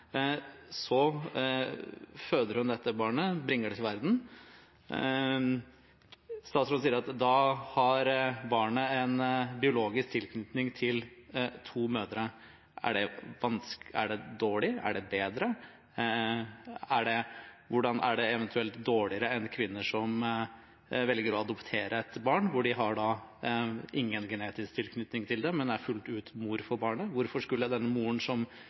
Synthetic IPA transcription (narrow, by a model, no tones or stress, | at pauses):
sɔ | føːd̪əɾhʉnd̪ɛt̪ːəbɑːɳəbɾɪŋːəɖɛt̪ɪʋæɾd̪n̩ | st̪ɑːt̪sɾɔsiːəɾɑt̪d̪ɑhɑɾbɑːɳəɛnbɪʊloːɡɪsk̚t̪ʰɪlkʰnʏt̪nɪŋt̪ʰɪlt̪ʰuːmøːd̪əɾə | æ̰ɖɛʋɑnsæ̰ɖɛd̪oːɭɪæ̰ɖɛbeːd̪ɾə | æɖɛʋʊɖɑnʔæ̰ɖɛɛʋɛnt̪ʰʉɛlt̪d̪oːɭɪəɾəɛnkʰʋɪnːəʂɔm | ʋɛlɡəɾɔɑd̪ʊpt̪ʰeːɾʔəɛt̪bɑːɳʋʊɖɪɦɑɖɑ | ʔɪŋːənɡɛneːt̪ɪsk̚t̪ʰɪlkʰnʏt̪nɪŋt̪ʰɪld̪ɛmɛnd̪ɛæɾfʉlt̪ʉːt̪muːɾfɔɾbɑːɳəʋʊɾfɔʂkʉlːəd̪ɛnːəmuːəɳsɔm